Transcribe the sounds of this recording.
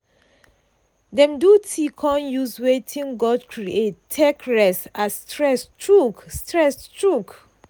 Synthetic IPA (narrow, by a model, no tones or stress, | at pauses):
dɛ̃mdutʰikʰɔ̃njuswetʰĩŋɡɔdkʰɹiettʰːekɹɛsastɹɛstɹukstɹɛstɹuk